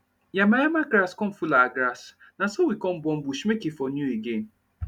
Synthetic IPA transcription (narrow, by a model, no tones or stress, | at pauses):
jamajamaɡɾaskɔm̩fulaɡɾas | nasɔwikɔm̩bɔm̩buʃimekefɔnuiɡen